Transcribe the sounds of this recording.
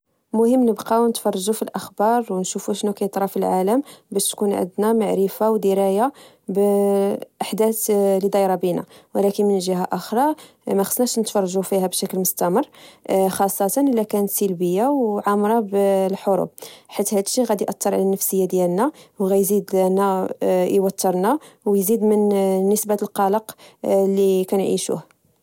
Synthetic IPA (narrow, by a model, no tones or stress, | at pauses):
mʊhəmːnəbqɑwnət̪fɑrˤːɑʒufilʔəxbɑɾˤwnʃufuʃənːukæjət̪ˤɾˤɑfilʕaləmbæʃt̪kunʕə̰nd̪næmaʕɾəfawd̪iɾæja | b | ʔaħd̪æt̪lid̪ˤɑjɾˤɑbinæ̰wlækənmənʒəɦaʔəxɾˤɑ | mæxə̥snæʃnət̪fɑrˤɑʒufihæbʃækəlmʊst̪æmərˤːxɑsˤːɑt̪ˤɑnʔəlːækænət̪silbəjːawʕamɾˤɑblħoɾṵb̚ħit̪hæd̪əʃiɣæd̪iʔɑt̪ˤːəɾˤʕa̰lænːəfsəjːad̪jælnæwɣæjzid̪næjwɑt̪ːəɾˤnæwjzid̪mənːəsbalqɑləqlːikænʕḭʃṵh